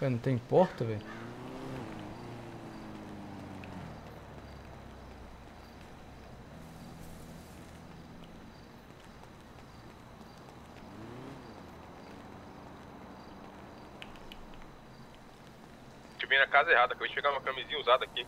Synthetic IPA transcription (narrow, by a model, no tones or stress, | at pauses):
vɛnɐ̃t̪ẽj̃pɔɾt̪ɐvɛ | kemvẽjnɐkazɐeɦad̪ɐkabẽt͡ʃpeɡaumɐkɐmizĩɲɐuzad̪ɐaki